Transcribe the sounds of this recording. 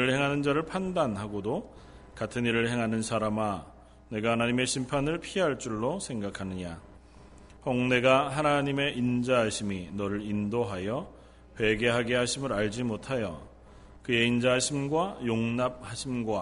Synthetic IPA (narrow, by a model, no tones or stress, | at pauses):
ɾɯɭhe̞ŋɦanɯnd͡ʑaɾɯɭpʰandanɦaɡodo | katʰɯniɾɯɭhe̞ŋɦanɯnsʰaɾama | ne̞ɡahanaɲime̞ɕʰimpʰanɯɭpʰiɦaɭt͡ɕ͈uɭːosʰe̞ŋɡakʰanɯɲa | hʌŋne̞ɡaɦanaɲime̞ʔind͡ʑaɦaɕʰiminʌɾɯɾindoɦajʌ | ɸwe̞ɡe̞ɦaɡe̞ɦaɕʰimɯɾaɭd͡ʑimotʰajʌ | kɯe̞ind͡ʑaɦaɕʰimɡwajoŋnap̚haɕʰimɡwa